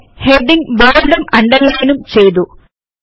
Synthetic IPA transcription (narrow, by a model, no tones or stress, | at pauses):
heɖiŋboːɖumɐɳɖɐɾlɐjnumt͡ɕe̞jt̪u